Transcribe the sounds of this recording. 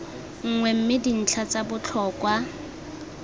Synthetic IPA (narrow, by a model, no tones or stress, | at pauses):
ŋ̩ŋwɛm̩mɪdin̩t͡ɬʰat͡sabʊt͡ɬʰɔkwa